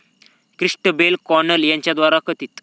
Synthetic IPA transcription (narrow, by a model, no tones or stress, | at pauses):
kɾiʂʈəbelkɔɾnəljãɲt͡ɕjad̪ʋaɾakət̪iːt̪